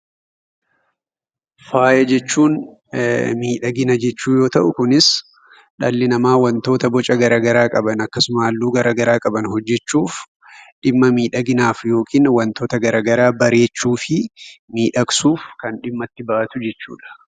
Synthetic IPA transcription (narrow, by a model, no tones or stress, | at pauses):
faːjɐd͡ʒɛt͡ʃːuːn | miːᶑɐɡɪnɐd͡ʒɛt͡ʃːuːjo̞ːt̪ɐʔʊkʊnɪs | ᶑɐlːɪnɐmaːwɐnt̪o̞ːt̪ɐbɔt͡ʃʼɐɡɐɾaːɡɐɾaːkʼɐbɐnɐkːɐsʊmaːlːuːɡɐɾʔaːɡɐɾaːkʼɐbɐnhɔd͡ʒːɛt͡ʃːuːf | ᶑɪmːɐmiːᶑɐɡɪnaːfjo̞ːkʰiːnwɐnt̪o̞ːt̪ɐɡɐɾaːɡɐɾaːbɐɾe̞ːt͡ʃːuːfɪmiːᶑɐksuːfkɐnᶑɪmːɐt̪ːɪbɐʔɐt̪ʊd͡ʒɛt͡ʃːṵːᶑɐ̥